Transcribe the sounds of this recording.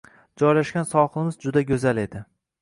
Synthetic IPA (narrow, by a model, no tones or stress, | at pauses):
d͡ʒɒjlaʃkʲansɒχˠɪmɪzd͡ʒʊd̪aɡʲɵzale̞d̪ɪ